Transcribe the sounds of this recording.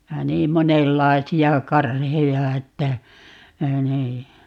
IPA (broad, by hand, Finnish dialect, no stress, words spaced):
jɑ niːm monelːɑi̯siɑ kɑrhejɑ etːæ niː